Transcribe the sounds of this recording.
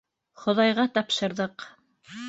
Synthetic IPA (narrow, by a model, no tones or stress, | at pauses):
χŏðɑjʁɑt̪ɑpʃɤ̆ɾðɤq